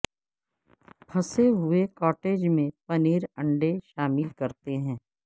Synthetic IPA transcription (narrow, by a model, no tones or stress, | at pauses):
pʰɐseɦʊekɔːʈeːd͡ʒmẽpɐniːɾɐ̃ɳɖeʃaːmɪlkɐɾt̪eɦɛ̃ː